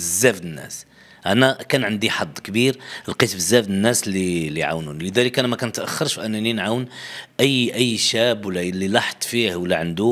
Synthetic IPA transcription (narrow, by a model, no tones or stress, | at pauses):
zːæfd̪ənːæ̰s | ʔænækænʕənd̪iħɑd̪ˤːkbiɾlqit̪bəzːæfnənːæsliliʕa̰wnunləd̪æləkʔænmækænt̪ʔæxːɑɾˤʃfʔænæninʕawnʔəjːʔəjːʃæbwəlːælːilɑħt̪ˤfihwəlːæʕənd̪u